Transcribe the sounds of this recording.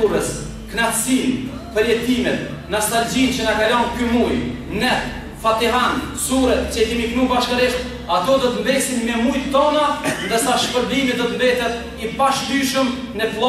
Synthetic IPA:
uɾəs | knat̪sin | pəɾjɛt̪imɛt̪̚nast̪ald͡ʑint͡ɕənakalɔnkymujnɛθ | fat̪iɦansuɾɛt̪̚t͡ɕɛt̪imiknubaʃkaɾiʃt̪̚ | at̪ɔd̪ɔt̪əmbɛsinmɛmujt̪ət̪ɔnand̪əsaʃpəɾbimit̪d̪ɔt̪əmbɛt̪ɛt̪ | ipaʃd̪yʃəm | nɛplˠɔ

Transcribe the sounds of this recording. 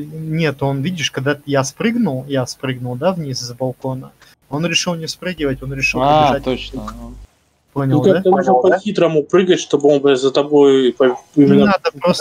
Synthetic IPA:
nʲe̞t̪o̞nvʲidʲɪʂkɐɡ̚d̪ajaspɾɨɡnʊlˠjaspɾɨɡnʊlˠd̪avnʲiszbɐlˠko̞nə | o̞nɾʲɪʂɨlˠnʲɪspɾɨɡʲɪvətʲo̞nɾʲɪʂɨlˠɪʐat̪ot͡ɕn | po̞nʲɪld̪k̪ak̪at̪ɐnuʐnpɐxʲit̪ɾəmupɾɨɡətʲʂt̪o̞bɨonpzət̪ɐbojpɐɪmʲɪnad̪əpɾos

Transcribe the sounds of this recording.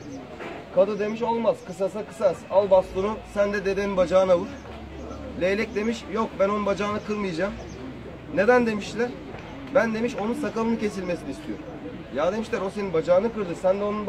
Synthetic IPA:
kʰad̪ɯd̪e̞miʃo̞lˠmaz̥kʰɯsasakɯ̥sasalˠbaslˠunusænd̪ɛd̪e̞d̪eninbad͡ʒaːnavɯɾ̥ | lʲejlʲɛc̚d̪e̞miʃjo̞k̚bænonunbad͡ʒaːnɯkʰɯɾmɯjad͡ʒaːm | ne̞d̪ænd̪e̞miʃlʲæɾ̥ | bænd̪e̞miʃo̞nunsakalˠɯnɯcʰe̞s̬ilʲme̞sinist̪ʰijoɾum | jaːd̪e̞miʃlʲæɾo̞se̞ninbad͡ʒaːnɯkɯɾd̪ɯsænd̪ɛo̞nun

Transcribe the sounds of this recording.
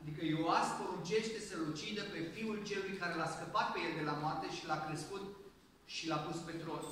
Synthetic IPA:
ad̪ikəjoaspoɾunt͡ʃe̞ʃt̪e̞səlut͡ʃid̪əpe̞fiult͡ʃe̞lujkaɾe̞laskəpat̪̚pe̞je̞ld̪e̞lamoart̪e̞ʃilakɾe̞skut̪ | ʃilapuspe̞t̪ɾo̞s

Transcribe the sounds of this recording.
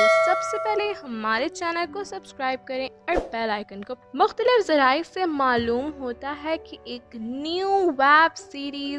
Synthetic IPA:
sɐbsepɛɦleɦɐmaːɾet͡ʃɛːnəlkosɐbskɾaːɪb̚kɐɾẽɔːɾpɛːlaːɪkənkomʊxt̪əlɪfzɐɾaːɪsemaːluːmɦoːt̪aɦɛkiʔeːknjuʋɛːbsiːɾiːz

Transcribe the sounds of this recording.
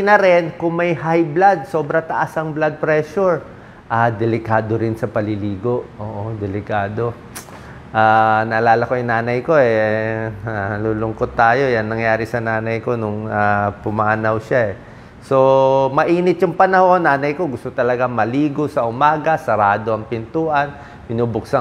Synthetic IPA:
nɐɾɛnkʊŋmɐjhajblad̪̚so̞ːbɾɐt̪ɐʔasɐŋblad̪̚pɾɛʃuɹ | ʔad̪ɛlɪkaːd̪o̞ɾɪnsɐpɐlɪliːɡo̞ʔʔoːʔod̪ɛlɪkaːd̪o̞ | ʔaːnɐʔɐlaːlɐkojʊŋnaːnɐjko̞ɛ | aluːlʊŋkot̪̚ːaːjo̞janːɐŋjaːɾɪsɐnaːnɐjko̞nʊŋapʊmanawʃaʔɛ | so̞mɐʔiːnɪt̪̚jʊŋpɐnɐho̞nːaːnɐjko̞ɡʊst̪ot̪ɐlɐɡaŋmɐliːɡosɐʔʊmaːɡɐsɐɾaːd̪o̞ʔɐŋpɪnt̪uːʔɐn | pɪnuːbʊksa

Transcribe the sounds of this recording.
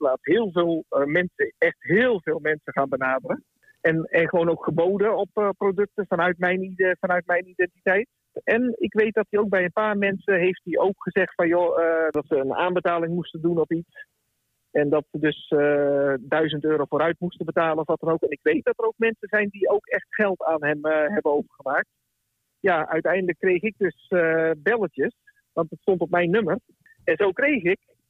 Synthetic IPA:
plaːtsɦɪːlˠveːlˠmɛnsəɛxtɦɪːlˠvɪːlˠmɛnsəχaːnbənaːdərə | ɛnɛnχəʋoːnowkχəboːdəɔppːrodøk̚təfanœɥtmɛjnfanœɥt̚mɛjnidɛntitɛjt | ɛnɪkʋejt̚dɔt̚diowk̚bɛjənpaːrmɛnsəɦejft̚diʔowkχəzɛxtfɔnjodɔtsəəna̰ːnbətaːlɪŋmustəndunɔpit͡s | ɛndɔtsədøs | dœɥzəntøːɾowfoːɾœɥtmustəbətaːlˠənɔfʋɔtənowkɛnɪkʋejt̚dɔtərowk̚mɛnsəzɛjndiowkɛxtχɛlˠtaːnɦɛmɦɛbənowvərχəmaːk̚t | jaʔœ̰ɥtɛjndələkːrejxɪk̚døsbɛlˠətjəs | ʋɑntətstɔntɔp̚mɛjnːømər | ɛnzowkrejxɪk

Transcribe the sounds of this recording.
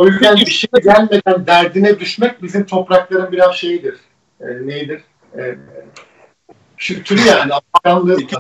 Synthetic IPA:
ojyzcænbiʃinɛɟælʲme̞d̪ænd̪æɾd̪inɛd̪yʃmɛc̚bizimt̪ʰo̞pɾaklˠaɾɯmbiɾazʃe̞jid̪iɾ̥ | ɛne̞jid̪iɾ̥ | ɛ | kʰylʲt̪ʰyɾyjaːniakanlˠɯ

